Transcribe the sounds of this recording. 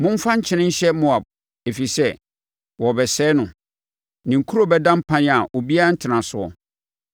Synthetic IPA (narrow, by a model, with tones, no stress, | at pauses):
mʊ̃˦m̩˦fã˦ɲ̩˦t͡ɕʰɪ̃˦nɪ̃˦ɲ̩˦ɕɛ˦mʊ̃˨a˨b̚ | e˨fi˨sɛ˦ | wɔ˨bɛ˨sɛː˦nʊ̃˨ | nĩ˨ŋ̩˨kʰu˦ɾo˦bɛ˦dã˦m̩˦pʰã˦n˦a˨ʔo˨bi˦a˦a˦n̩˦tʰɪ˨nã˨sʊ˦˨ɔ̰˨